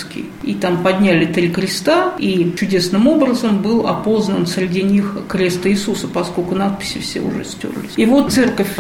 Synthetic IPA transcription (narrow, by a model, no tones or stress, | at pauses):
skʲɪ̰ | it̪ampɐd̪ʲnʲælʲɪt̪ɾʲikɾʲɪst̪ait͡ɕʊdʲe̞snɨmo̞bɾəzəmbɨlˠɐ̰po̞znənsɾʲɪdʲinʲixkɾʲe̞st̪əɪsusəpɐsko̞lʲkʊnat̪̚pʲɪ̥sʲɪfsʲḛʊ̰ʐɛ̰sʲtʲo̰rlʲɪsʲivo̞t̪̚t̪sɛrkəfʲ